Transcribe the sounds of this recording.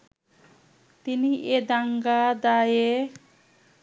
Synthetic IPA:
t̪iniʔed̪aŋɡad̪aje

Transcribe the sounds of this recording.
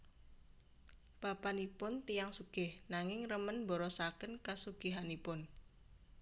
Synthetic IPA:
b̥a̤panipʊnt̪ijaŋsuɡ̥ɪhnaŋɪŋrəmənmbɔɾɔsakənkasuɡ̥ɪ̤ɦanipʊn

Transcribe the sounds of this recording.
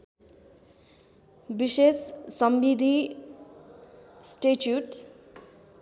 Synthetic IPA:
bisessʌmbid̪ʱi | sʈeʈjuʈ

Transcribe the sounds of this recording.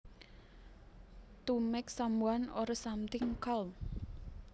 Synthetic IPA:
t̪umɪksamuanoɾasamt̪ɪŋkal

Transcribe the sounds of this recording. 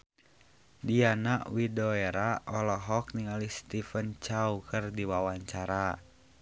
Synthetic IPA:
dianaʔwidɔeɾaɔlɔɦɔk̚niŋalihst̪ifənt͡ʃaukɨrdiwawaɲt͡ʃaɾa

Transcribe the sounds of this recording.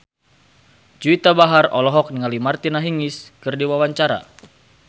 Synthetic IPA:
d͡ʒuit̪abaɦarɔlɔɦɔk̚niŋalimart̪inaɦiŋiskɨrdiwawaɲt͡ʃaɾa̰

